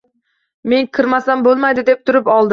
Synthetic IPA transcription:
me̞ŋkʰɨɾmasanbolˠmajd̪ɪd̪ep̚t̪ʰʊɾɪpɒlˠd̪ɪ

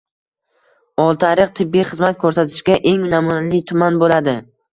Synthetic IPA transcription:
ɒlˠt̪ʰaɾɪqt̪ʰɪbːijχɨzmat̪̚kʰɵɾsat̪ʰɪ̥ʃɡʲaʔe̞ŋnamunalɪt̪ʰʊmanbolad̪ɪ

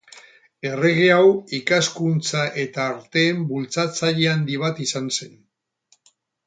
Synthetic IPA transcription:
e̞re̞ɣ̞eawikaskunt͡saʔe̞t̪aːɾt̪e̞ːmbult͡sat͡saʎe̞and̪iβ̞at̪isanse̞n

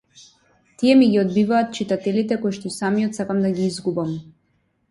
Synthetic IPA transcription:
t̪iɛmiɡiɔd̪̚bivaːt̪̚t͡ʃit̪at̪ɛlit̪ɛkɔjʃt̪ɔisamijɔt̪sakamd̪aɡiizɡubam

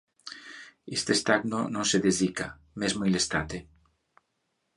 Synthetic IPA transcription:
est̪est̪aɡnonõŋseðezika̰ | mezmojlest̪at̪e

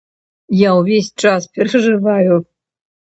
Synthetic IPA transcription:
jauvʲesʲt͡ʂaspʲeɾɛʐɨvajʊ

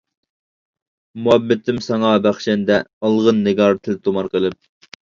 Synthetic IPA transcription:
muɛbːɪt̪ʰɪmsɑŋɑbæχʃɛnd̪ɛɑlˠʁənːɪɡɑɾt̪ʰɪlt̪ʰomɑɾqʰəlˠɪp̚

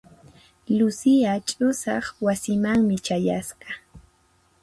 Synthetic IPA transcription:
lʊsɪat͡ʃʼʊsɑχwasɪmaŋmɪt͡ʃaja̰sɢɑ

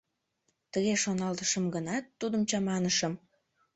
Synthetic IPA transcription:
t̪əɣeʃonɑlt̪əʃəmɡənɑt̪ːud̪əmt͡ɕɑmɑnəʃəm

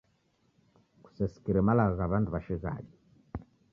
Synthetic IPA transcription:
ku̥sɛsi̥kiɾɛmalaɣaɣaβanduβaʃiɣa̰ʄi

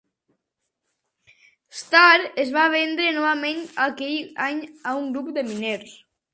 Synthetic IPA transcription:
st̪aɾezβaβ̞end̪ɾenɔβamenakejaɲauŋɡɾupd̪emineɾs

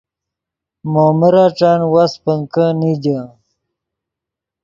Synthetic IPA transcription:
moːməɾaʈ͡ʂanwaspəŋkənid͡ʑə

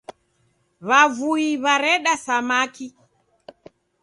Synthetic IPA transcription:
βavuiβaɾɛɗasamaki

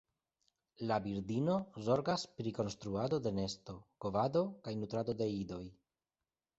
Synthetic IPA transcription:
labiɾd̪ino̞zo̞ɾɡaspɾiko̞nst̪ɾuad̪o̞d̪e̞ne̞st̪o̞ko̞vad̪o̞kajnut̪ɾad̪o̞d̪e̞id̪o̞j

